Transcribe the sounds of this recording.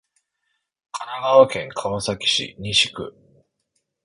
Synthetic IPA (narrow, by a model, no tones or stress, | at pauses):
kʰanaɡaβakẽ̞ŋkʰaβasakʲi̥ɕḭɲ̟iɕi̥kɯ̟